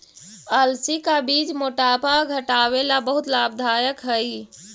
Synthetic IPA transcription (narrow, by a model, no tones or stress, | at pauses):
əlsikabid͡ʒmoʈapaɡʱəʈawelabəɦut̪lab̚d̪ʱajəkɦəj